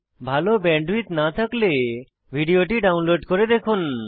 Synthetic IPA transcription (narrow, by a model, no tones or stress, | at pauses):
bʱalobɛɳɖwit̪nat̪ʰakle | bʱiɖijoʈiɖawnloɖkoɾed̪ekʰun